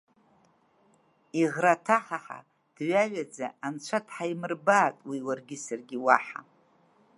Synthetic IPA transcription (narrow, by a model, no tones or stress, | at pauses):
iʁratʰaħaħa̰ | d̥ɥaɥʷad͡zaant͡ʃʷʰatʰħaimɨrbaːtʼwiwarɡʲɪsarɡʲiwaħa̰